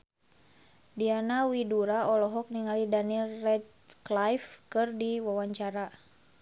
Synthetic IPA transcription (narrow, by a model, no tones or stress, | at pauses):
dianawiduɾaɔlɔɦɔk̚niŋalidanilrɛd̪̚ | klajfkɨrdiwawaɲt͡ʃaɾa